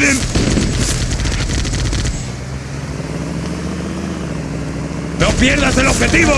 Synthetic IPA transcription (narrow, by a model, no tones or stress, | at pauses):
ðen | nopjeɾðaseloβxet̪iβo